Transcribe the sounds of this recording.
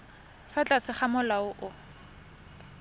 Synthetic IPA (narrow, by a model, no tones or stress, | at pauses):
fat͡ɬʼasɪχamʊlaʊʔʊ